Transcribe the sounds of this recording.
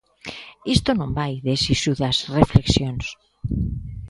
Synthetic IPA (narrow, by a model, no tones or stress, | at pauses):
ist̪onõmbajðesisuðɐsrefleksjons